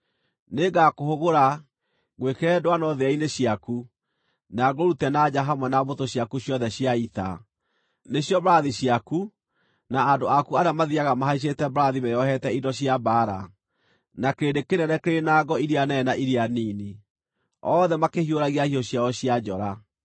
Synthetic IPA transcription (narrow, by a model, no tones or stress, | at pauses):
neɡakohoɣoɾa | ɣwekeɾɛdowanɔðeaineɕjaku | naɡoɾutɛnad͡ʑaɦamwɛnaβotoɕjakuɕjɔðɛɕjaita̰ | neɕjɔbɾaðiɕjaku | naːndoakuaɾamaðiaɣamaɦaiɕ̬etɛbɾaðimejɔhɛtɛidɔɕjabaːɾa̰ | nakeɾedekenɛnɛkeɾenaɡɔiɾianɛnaʔiɾianiːni | ɔðɛmakehioɾaɣiahiɔɕjaɔɕiad͡ʑɔɾa